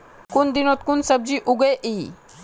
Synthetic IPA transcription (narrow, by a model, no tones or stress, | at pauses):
kʊnd̪ɪnot̪kʊnsəb̚d͡ʒiʔʊɡeʔiː